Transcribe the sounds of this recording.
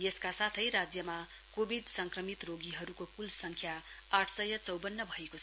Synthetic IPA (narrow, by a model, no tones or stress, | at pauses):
jeskasat̪ʰʌjɾad͡zjʌma | kobʱiɖsʌŋkrʌmit̪roɡiɦʌɾukokulsʌŋkʰja | aʈʰsʌjʌt͡sʌwbʌnːʌbʱʌeko